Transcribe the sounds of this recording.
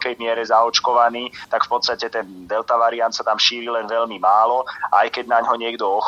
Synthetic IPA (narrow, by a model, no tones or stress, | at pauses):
kɛjmɪɛɾɛzaɔt͡ʃkɔʋaniːt̪akfpɔt̪st̪acɛt̪ɛnd̪ɛlt̪aʋaɾiant̪sat̪amʃiːɾilɛnʋɛʎmimaːlɔajkɛɟnaɲɦɔɲɪɛɡd̪ɔɔx